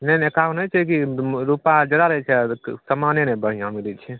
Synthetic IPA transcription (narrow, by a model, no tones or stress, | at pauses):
nɛnekanəjt͡ʃʰɛk̬iɾupad͡ʒəd̪aɾəɦɛt͡ʃʰɛsəmanenɛbəɽ̤ijãmilit͡ʃʰɛ